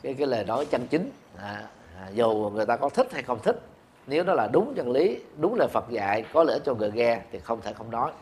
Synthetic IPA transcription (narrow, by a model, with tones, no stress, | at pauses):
kaː˨˦jkaː˨˦jləː˨˩jnɔ˨˦jt͡ɕə˧ŋt͡ɕi˨˦ŋ | aː˨˩˨ | zu˨˩ŋɨ˨˩əjt̪aː˧kɔ˨˦t̪ʰi˦˥k̚ha˧jxə˧wŋ͡mt̪ʰï˦˥k̚ | ne˨˦wnɔ˨˦laː˨˩ɗʊ˨˦ŋ͡mt͡ɕə˧nli˨˦ɗʊ˨˦ŋ͡mləː˨˩jfə˨˩t̚za̰ː˧˨jkɔ˨˦lḭ˧˥ət͡ɕɔ˧ŋɨ˨˩əjɣɛ˧t̪ʰi˨˩xə˧wŋ͡mt̪ʰe˧˩xə˧wŋ͡mnɔ˨˦j